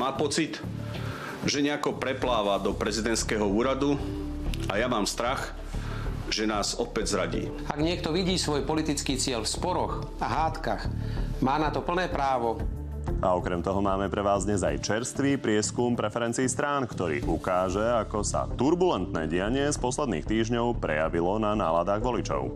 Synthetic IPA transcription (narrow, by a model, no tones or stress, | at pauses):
maːpɔt͡sit̪ | ʒɛɲɛakɔpɾɛplaːʋad̪ɔpɾɛzid̪ɛnt̪skɛːɦɔuːɾad̪u | ajamaːmst̪ɾax | ʒɛnaːzɔpɛɟzɾaɟḭː | aɡɲɪɛkt̪ɔʋiɟiːsʋɔjpɔlit̪it͡skiːt͡sɪɛlfspɔɾɔx | aɦaːt̪kaxmaːnat̪ɔpl̩nɛːpɾaːʋɔ | ʔaɔkɾɛmt̪ɔɦɔmaːmɛpɾɛʋaːzd̪ɲɛza̰jt͡ʃɛɾst̪ʋiːpɾɪɛskumpɾɛfɛɾɛnt͡siːst̪ɾaːnkt̪ɔɾḭːʔukaːʒɛakɔsa̰t̪uɾbulɛnt̪nɛ̰ːɟɪaɲɪɛspɔslɛd̪nḭːxt̪iːʒɲɔʊpɾɛ̰jaʋilɔnana̰ːlad̪aːɣʋɔlit͡ʃɔ̰ʊ